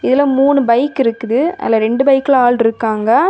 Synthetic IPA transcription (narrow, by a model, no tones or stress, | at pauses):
ɪðɪlɐmuːnɯbɐɪkːɪɾɯkːɯðɯɐ̰lːɐɾɛɳɖɯbɐɪkːɪɭaːlɖɪɾɯkːaːŋɡɐ